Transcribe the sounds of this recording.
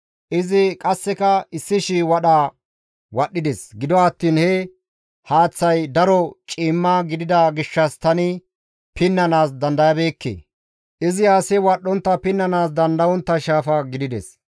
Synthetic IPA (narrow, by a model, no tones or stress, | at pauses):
ʔɪzɪkʼɐsːɛkɐɪsːɪʃiwɐɗaː | wɐɗːɪd̪ɛsɡɪd̪ɔɐt̪ːiːnhɛ | haːt͡sːɐjd̪ɐɾɔt͡ʃʼiːmːaɡɪd̪ɪd̪ɐɡɪʃːɐst̪ɐnɪ | pɪnːɐnaːsd̪ɐnd̪ɐjɐbe̞ːkːḛː | ʔɪzɪjaːsɛwɐɗːɔnt̪ːɐpɪnːɐnaːsd̪ɐnd̪ɐwɔnt̪ːɐʃaːfɐɡɪd̪ɪd̪ɛs